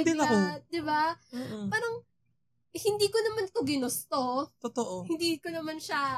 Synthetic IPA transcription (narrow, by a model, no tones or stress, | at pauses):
d̪ɪɐod̪ɪbapaːɾɐŋ | hɪnd̪iːkonɐmant̪oɡɪnost̪ot̪ot̪oʔohɪnd̪iːkonɐmanʃa